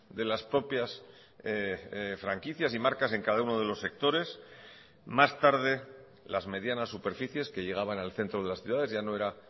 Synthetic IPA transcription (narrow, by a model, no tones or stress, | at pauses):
d̪elaspɾo̞pjas | fɾaŋkiθjasimaɾkase̞ŋkaðauno̞ðe̞lo̞sːe̞k̚t̪o̞ɾe̞s | mast̪aɾðe̞ | lazme̞ðjanasːupe̞ɾfiθje̞ske̞ʝe̞ɣ̞aβanalθe̞nt̪ɾo̞ð̞e̞lasθjuðaðe̞zʝano̞e̞ɾa